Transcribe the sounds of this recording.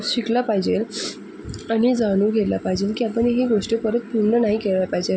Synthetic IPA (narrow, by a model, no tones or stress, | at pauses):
ɕiklapajd͡ʑel | añid͡zaɽ̃uːɡʱet̪lapajd͡ʑelkiapəɳɦeɡoʂʈepəɾət̪̚puɾnənaɦikelʋjapajd͡ʑel